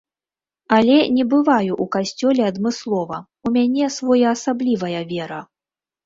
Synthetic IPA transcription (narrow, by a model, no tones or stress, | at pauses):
ɐlʲɛnʲɛbɨvajuʔukasʲt͡sʲɔlʲɛɐd̪mɨslˠɔvɐ | umʲanʲɛsvɔjɐːsablʲivɐjɐvʲɛɾɐ